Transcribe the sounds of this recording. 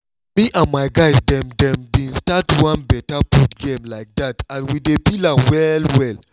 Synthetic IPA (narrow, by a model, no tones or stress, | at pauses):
miʔãnmaɪɡaɪsdɛ̃mdɛ̃mdĩnstatwãnbɛtaputɡẽmlaɪk̚datãnwidepilawɛlwɛl